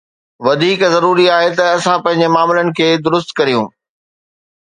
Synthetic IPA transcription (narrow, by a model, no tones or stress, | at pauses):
ʋɐd̪ʱiːkzɐɾuːɾiaːɦet̪ɐɐsãpɐ̃ɦɪ̃ɲ̆d͡ʑemaːmɪlənɪ̆kʰeːd̪ʊɾʊs̬t̪kɐɾijũː